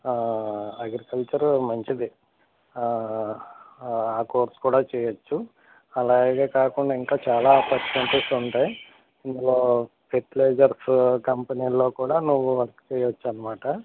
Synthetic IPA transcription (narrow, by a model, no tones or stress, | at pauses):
ɐɡɾikɐlt͡ʃɐɾmɐɲt͡ʃid̪i | aːkoːɾskuːɽaːt͡ʃɛːjɐt͡ʃːu | ɐlaːɡeːkaːkuɳɖaːiŋkaːt͡ʃaːlaːpɐkɐɳʈisuɳʈaːj | ind̪ulo̞ː | peʈleːd͡ʒɐɾskɐmpɐniːlːo̞ːkuːɽaːnuʋːuʋɐɾɐkt͡ʃɛːjɐt͡ʃːuɐnːɐmaːʈɐ